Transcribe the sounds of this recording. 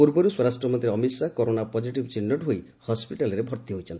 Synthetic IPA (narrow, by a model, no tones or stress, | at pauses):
puɾbɔɾuswɔɾasʈɾɔmɔnt̪ʰɾeɔmisakɔɾonapɔd͡ʒiʈibt͡ʃinːɔʈɦoj | hɔspiʈalɔɾebʱɔɾt̪iɦojt͡ʃʰɔni